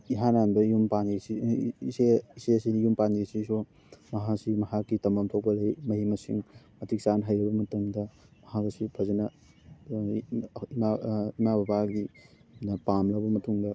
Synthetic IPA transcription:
iɦananbɐijumpanɾisiiseisesinjumpaniɾisiso | mɐɦasimɐɦakːitɐmɐmtʰok̚pɐlɐjmɐhimɐsḭŋmɐtʰik̚sanɦajɾɐbɐmɐtɐŋdɐmɐhakɐsipʰɐzenɐ | imaimabɐbaɡi | nɐpamlɐbɐmɐtuŋdɐ

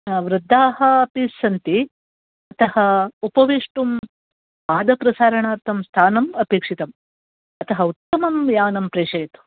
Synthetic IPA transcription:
ʋɾɨd̪ʱːaːɦɐɐpisːɐnt̪i | ɐt̪ɐhɐupɐʋeʂʈum | paːd̪ɐpɾɐsaːɾɐɳaːɾt̪ʰɐmst̪ʰaːnɐmɐpeːkʂit̪ɐm | ɐt̪ɐɦɐut̪ːɐmɐmjaːnɐmpɾeːʂeːt̪u̥

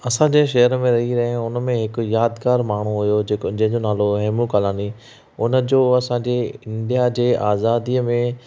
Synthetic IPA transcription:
ɐsãd͡ʑeʃɐɦəɾmẽɾɐɦiɾɐɦẽʊnmẽɦɪkʊ̆jaːd̪kaːɾmaːɽ̤̃uɦʊjod͡ʑeːkd͡ʑɐ̃ɦɪ̃ɲd͡ʑonaːloɦɛːmukaːlaːni | ʊnə̆d͡ʑoːɐsãɲd͡ʑeɪ̃nd̪ijad͡ʑeːʔaːzaːd̪iəmẽ

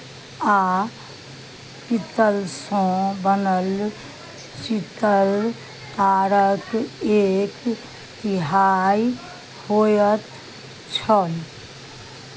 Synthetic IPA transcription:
a | kit̪əlsõbənəl | t͡ʃit̪əɾ | t̪aɾəkek | t̪ɪɦaj | hojət̪ | t͡ʃʰəl

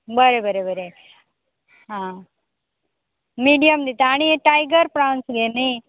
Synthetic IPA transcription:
bəɾebəɾebəɾe | ɦã | miːɖijəmd̪it̪aːɽ̃ieʈajɡəɾpɾãnsɡeni

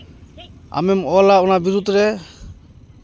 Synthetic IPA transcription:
a̰mɛmɔlaɔnabiɾud̪ʱɾɛ

